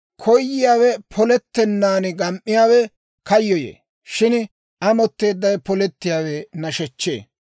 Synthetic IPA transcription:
kʰɔjjːɪjaːwɛpʰɔlɛt̪ːɛnːaːnɪɡɐmʔːɪjaːwɛ | kɐjːɔjḛː | ʃɪn | ɐmɔt̪ːe̞ːd̪ːɐjpɔlɛt̪ːɪjaːwɛnɐʃɛt͡ʃːḛː

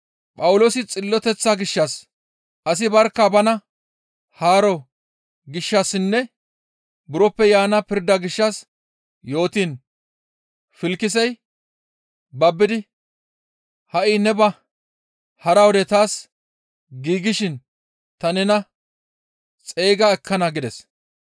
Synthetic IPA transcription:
pʼɐwʊloːsɪt͡sʼɪlːɔt̪ɛt͡sːaɡɪʃːɐs | ʔɐs̬ɪbɐɾkːabɐnɐ | haːɾɔ | ɡɪʃːɐsɪnːɛ | bʊɾɔpːɛjaːnɐpɪɾd̪ɐɡɪʃːɐs | jo̞ːt̪iːn | fɪlkːɪs̬ɛj | bɐbːɪd̪ɪ | hɐʔɪːnɛbɐ | hɐɾɐwɔd̪ɛt̪aːs | ɡiːɡɪʃɪn | t̪ɐnɛnɐ | t͡sʼe̞ːɡɐɛkʰːɐnɐɡɪd̪ɛs

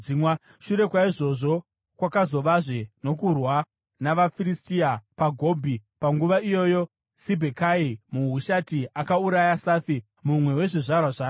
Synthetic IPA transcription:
imwa | ʃuɾe̞kwaiʐo̞ʐo̞ | kwakazo̞ʋaʐe̞no̞kurwa | naʋafiristiapaɡʱo̞bʱipaŋɡuʋaijo̞jo̞ | sibʱekaimuɦuʃatiakauɾajasaːfi | mumwe̞we̞ʐiʐarwaʐaːo

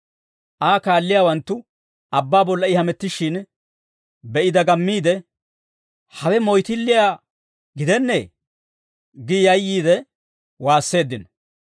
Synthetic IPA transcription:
ʔaːkaːlːɪjaːwɐnt̪ːʊ | ʔɐbːaːbɔlːɐɪhɐmɛt̪ːɪʃɪn | bɛʔɪd̪ɐɡɐmːiːd̪ɛ | hɐwɛmɔjt̪ɪlːɪjaː | ɡɪd̪ɛnːe̞̰ː | ɡɪjɐjːiːd̪ɛ | waːsːe̞ːd̪ːɪnɐ

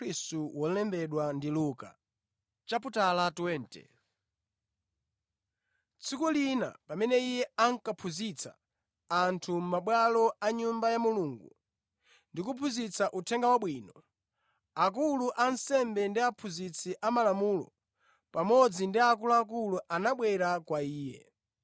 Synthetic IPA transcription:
istuwɔlɛmbɛɗwandiluːka̰ | t͡ʃap̬utalatwɛntɛ̰ | t͡sʰikulina̰pamɛnɛijɛaŋkapʰuzit͡sʰa̰ | antʰum̩maɓwalɔaɲumbajamuluŋɡṵ | ndikupʰuzit͡saʔutʰɛŋɡawaɓwiːnɔ | ak̬uluʔansɛmbɛndiapʰuzit͡sʰiʔamalamuːlɔ̰ | pamɔd͡zindiak̬uluak̬uluʔanaɓwɛɾakwaiːjɛ̰

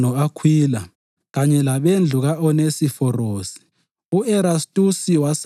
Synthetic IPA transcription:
nɔakʰwiːla | ɣaɲɛlaβend͡ɮʱuɣaɔnesifɔroːsi̥ | uɛɾastʼusiwas

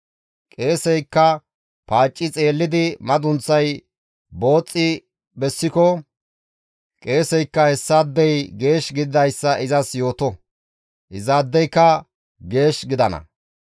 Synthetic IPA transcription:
kʼe̞ːsɛjkːɐ | paːt͡ʃʼːɪt͡sʼe̞ːlːɪd̪ɪmɐd̪ʊnt͡sːɐj | bo̞ːt͡sʼːɪ | bɛsːɪkɔ | kʼe̞ːsɛjkːɐhɛsːɐd̪ːɛjɡe̞ːʃɡɪd̪ɪd̪ɐjsːɐʔɪzɐsjo̞ːt̪ɔ | ʔɪzaːd̪ːɛjkːɐ | ɡe̞ːʃɡɪd̪ɐnɐ̰

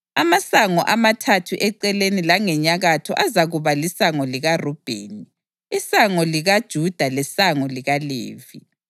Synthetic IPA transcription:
amasaŋɔʔamatʰatʰuʔɛǀɛlenilaŋɛɲaɣatʰɔʔazaɣuβalisaŋɔliɣarɔb̥ʱḛːni | isaŋɔliɣad̥ʒ̥ʱud̥ʱalɛsaŋɔliɣalḛːvi

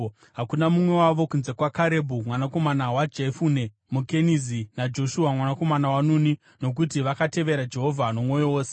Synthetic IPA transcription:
ɦakunamumwe̞waʋo̞kunze̞kwakaɾe̞bʱumwanako̞manawad͡ʒefuːne̞ | muke̞nizinad͡ʒo̞ʃuamwanako̞manawanuːni | no̞k̬utiʋakate̞ʋe̞ɾad͡ʒe̞ɦo̞vʱano̞mwo̞jowoːse̥

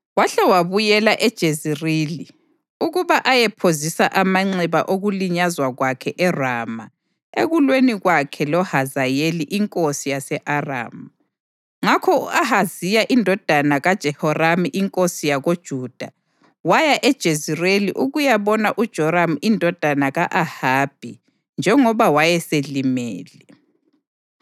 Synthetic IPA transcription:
waɬɛwaβujɛlaʔɛd̥ʒ̥ʱezireli | uɣuβaʔajɛpʰozisaʔamaŋ͡ǀɛβaʔoɣuliɲazwaɣwakʰɛʔɛrama̰ | eɣulweniɣwakʰɛlɔhazajeliʔiŋkʼosijasɛʔara̰ːmu | ŋakʰɔuahazijaʔindʱɔd̥ʱanaɣad̥ʒ̥ʱɛhɔramiʔiŋkʼosijaɣod̥ʒ̥ʱuːd̥ʱa | wajaʔɛd̥ʒ̥ʱezireliʔuɣujaβɔnaʔud̥ʒ̥ʱɔɾamindʱɔd̥ʱanaɣaʔahaːb̥ʱi | nd͡ʒʱɛŋɔβawajɛselimḛːlɛ

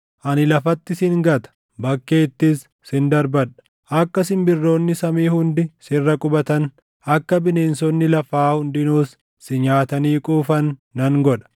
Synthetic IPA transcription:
ʔɐnɪlɐfɐt̪ːɪsɪŋɡɐt̪ɐ̥ | bɐkːe̞ːt̪ːɪsː | ɪnd̪ɐɾbɐᶑɐ̥ | ʔɐkːɐsɪnbɪrːo̞ːnːɪsɐmiːhʊnd̪ɪsɪrːɐkʼʊbɐt̪ɐn | ʔɐkːɐbɪne̞ːnsɔnːɪlɐfaːhʊnd̪ɪnuːs | sɪɲaːt̪ɐniːkʼuːfɐnːɐŋɡɔᶑɐ̥

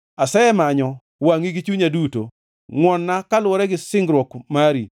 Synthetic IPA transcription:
asɛɛmaɲɔ | waŋiɡit͡ʃuɲaduto̰ | ŋwɔnːakalwɔɾɛɡɪsɪŋɡɾwɔkmaɾi

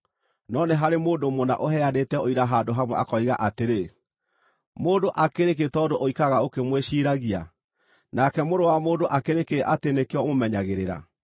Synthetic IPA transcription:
nɔneɦaɾemoːdomona̰ʔoɦɛanetɛoiɾaɦadoɦamwɛʔa̰kɔiɣaʔateɾe | moːdoʔakeɾeketɔdoʔoikaɣaokemweɕiːɾaɣia̰ | nakɛmoɾowamoːndoʔakeɾekeʔatenekeɔmomɛɲaɣeɾeɾa̰

